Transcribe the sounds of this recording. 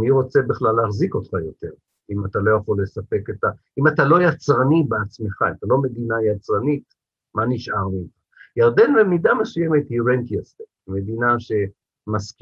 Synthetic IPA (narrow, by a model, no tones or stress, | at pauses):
niʁo̞t͡se̞biχlaleaχziko̞t̪χajo̞te̞ʁ | imatalo̞jaχo̞lːe̞sape̞keta | imatalo̞jat͡sʁanibeat͡sme̞χaatalo̞me̞d̪inajat͡sʁanit̪ | maniʃʔaʁmimχajaʁd̪envemid̪amesujeme̞t̪hiʁent̪iase | me̞d̪inaʃe̞ | mask